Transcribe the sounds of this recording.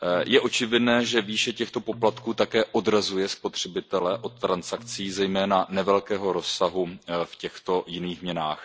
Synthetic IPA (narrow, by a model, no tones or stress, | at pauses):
jʔɛʔo̞t͡ʃɪvɪdnɛːʒɛviːʃɛcɛxt̪o̞po̞plat̪kuːt̪akɛːʔo̞dɾazujɛspo̞t̪r̝̥ɛbɪt̪ɛlɛʔo̞t̪ːɾansakt͡siːzɛjmɛːnanɛvɛlkɛːɦo̞ɾo̞sːaɦufcɛxt̪o̞jɪniːxmɲɛnaːx